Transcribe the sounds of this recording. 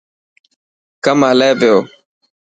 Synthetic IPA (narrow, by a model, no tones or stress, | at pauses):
kəmɦəleːpɪjoː